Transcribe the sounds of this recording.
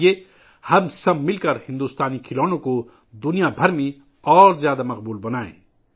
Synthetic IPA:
e | hɐmsɐbmɪlkɐɾhɪ̃nd̪uːst̪aːnikʰɪloːnõko | d̪ʊnijabʱɐɾmẽ | ɔːɾzjaːd̪amɐq̚buːlbɐnaːḛ̃ː

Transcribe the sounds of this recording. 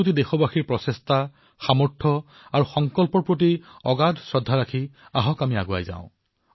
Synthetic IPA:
ut̬idexɔbaxiɹpɹɔsesta | xamɔɹʈʰɔ | aɹuxɔŋkɔlpɔɹpɹot̬iɔɡadʱsɹɔdʱːaɹakʰiaɦɔkamiaɡoa̰jza̰ʊ̃

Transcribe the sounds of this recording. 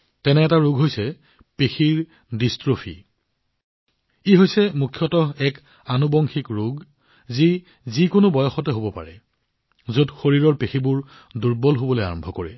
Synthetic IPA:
tɛnɛːtaɹuɡɦojsɛ | pexʰiɹ | distɹopʰḭ | iɦojsɛmukʰjɔtɔɛk | anubɔŋxikɹuɡ | zi | zikʊnʊbɔjɔxɔtɛɦobɔpa̰ɹɛ | zodxoɹiɹɔɹpexibʊɹ | duɹbɔlɦobɔloja̰ɹɔmbʱɔkoɹɛ

